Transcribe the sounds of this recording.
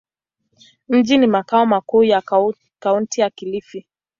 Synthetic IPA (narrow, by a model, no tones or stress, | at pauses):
m̩d͡ʒinimakaɔmakuːja | kauntijakilifi